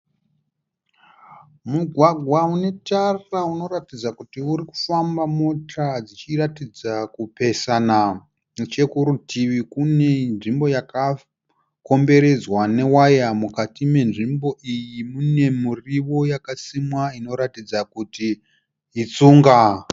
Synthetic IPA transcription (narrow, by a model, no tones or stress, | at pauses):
muɡʱwaɡʱwaune̞tarauno̞ɾatid͡zakutiuɾiku̥fambamotad͡zit͡ʃiratid͡zakupe̞sana | t͡ʃe̞kuɾutʰiʋikune̞nʐimbo̞jaka | ko̞mbe̞ɾe̞d͡zwane̞wajamukatime̞nʐimbo̞ʔijimune̞muriʋo̞jakasimwaino̞ɾatid͡zakutiː | t͡suːŋɡa